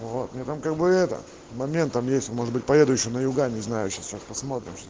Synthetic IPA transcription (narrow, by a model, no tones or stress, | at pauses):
vot̪mʲet̪amkaɡ̚bɨɛt̪ə̰ | mɐmʲent̪ːamjesʲtʲonmoʐɨd̪bɨt̚ʲpɐjed̪ʊjɪɕːonəjʊɡanʲɪznajʊɕast͡ɕaspɐsmo̞t̪ɾʲɪ̰mɕ